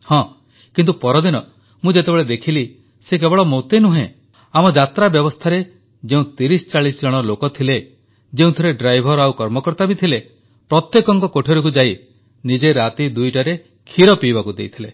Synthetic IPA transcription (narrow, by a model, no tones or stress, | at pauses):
hɔ̃ | kint̪upɔɾɔd̪inɔ | mũd͡ʒet̪ebeɭed̪ekʰili | sek̬ebɔɭɔmot̪enuɦḛ̃ | amɔd͡ʒat̪ɾabjɔbɔst̪ʰaɾe | d͡ʒeũt̪iɾisɔ̥t͡ʃaɭisɔd͡ʒɔɽ̃ɔlokɔt̪ʰile | d͡ʒeũt̪ʰɔɾeɖɾajbʱɔɾawkɔɾmɔkɔɾt̪abit̪ʰile | pɾɔt̪jekɔŋkɔkoʈʰiɾuk̬ud͡ʒaj | nid͡ʒeɾat̪id̪ujʈaɾe | kʰiɾɔpibakud̪ejt̪ʰile